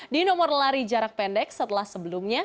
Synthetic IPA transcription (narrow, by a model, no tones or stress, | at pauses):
dinɔmɔrlaɾid͡ʒaɾak̚pɛndɛk̚sət̪əlahsəbəlumɲa